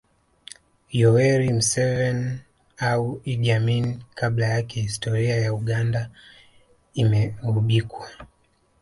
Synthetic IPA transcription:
jɔwɛɾim̩sɛvɛn | auiɗiaminkʰaɓlajakɛhistɔɾiajauɠanda | imɛuɓikwa

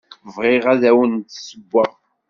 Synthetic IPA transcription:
vʁɪʁæðæwənt̪səbːæ

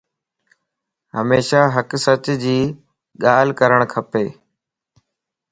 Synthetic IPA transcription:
ɦəmeːʃaːɦəksət͡ɕd͡ʑiː | ɠaːlkəɾəɽ̃kʰəpeː

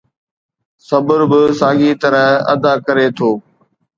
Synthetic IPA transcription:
sɐbəɾbɪsaːɡit̪ɐɾəɦɐ̰d̪aːkəɾet̪ʰoː

